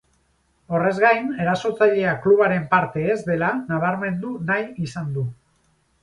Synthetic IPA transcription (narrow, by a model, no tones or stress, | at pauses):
o̞re̞zɣajne̞ɾaso̞t͡saʎe̞akluβaɾe̞mpaɾt̪e̞ːzd̪e̞lanaβ̞aɾme̞nd̪unajisand̪u